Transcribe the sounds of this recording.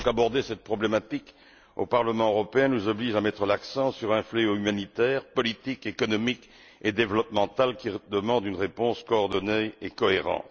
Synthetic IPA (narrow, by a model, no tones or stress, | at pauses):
kabɔʁd̪esɛt̪̚pχɔblemat̪ik | o̰paʁləmɑ̃øʁɔpeɛ̃nuzɔbliʒamɛt̪χəlaksɑ̃syʁɛ̃fleoymanit̪ɛːʁpɔlit̪ikekɔnɔmik | ed̪evlɔpmɑ̃t̪alkʲid̪əmɑ̃d̪ynʁepɔ̃skɔːʁd̪ɔneekɔeʁɑ̰̃t̪